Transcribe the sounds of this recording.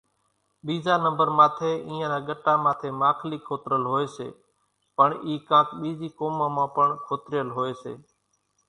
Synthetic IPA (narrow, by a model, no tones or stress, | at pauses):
ɓiːzaːnəmbəɾmãːt̪ʰeːʔĩːãːɾaːɡəʈãːmãːt̪ʰeːmaːkʰliːkʰoːt̪ɾəlɦoːeːsḛː | pəɳiːkãːkɓiːziːkoːmãːmãːpəɳkʰoːt̪ɾɪjəlɦoːeːsḛː